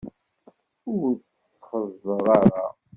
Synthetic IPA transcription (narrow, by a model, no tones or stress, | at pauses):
ʊɾt͡s | t͡sːχəzˤːəʁˤaɾa